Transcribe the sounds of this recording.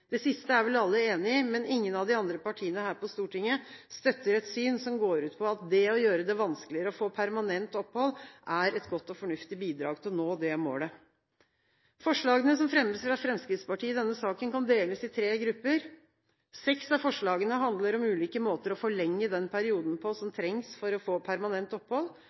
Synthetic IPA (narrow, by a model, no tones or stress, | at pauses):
d̪̥ɛsɪst̪əæɾʋɛlɑlːəeːnɪmɛnɪŋːənɑʋd̪ɪɑnd̪ɾəpɑʈʰiːənəhæːɾpɔst̪uːʈɪŋːəst̪œt̪ːəɾɛt̪syːnsɔmɡoːɾʉːt̪pʰɔɑt̪̚d̪ɛɔjøːɾəd̪ɛʋɑnskəlɪəɾəɔfoːpʰæɾmɑnɛnt̪ɔphɔlʔæɾɛt̪ɡɔt̪ːɔfɔɳʉft̪ɪbiːd̪ɾɑ̰ːɡt̪ʰɪlnoːd̪ɛmo̰ːɖɛ | fɔʂɭɑːɡənəs̬ɔmfɾɛməsfɾɑfɾɛmskɾɪt̪spɑʈʰiːəd̪ɛnːəsɑːkənkɑnd̪eːləsɪt̪ʰɾeːɡɾʉpːəɾ | sɛksɑfɔʂɭɑːɡənəɦɑnd̪ləɾɔmʉːliːkəmoːt̪əɾɔfɔɭɛŋːəd̪ɛnpʰæɾɪuːd̪n̩pʰɔsɔmt̪ʰɾɛŋsfɔɾɔfoːpʰæɾmɑnɛnt̪ɔpːhɔlː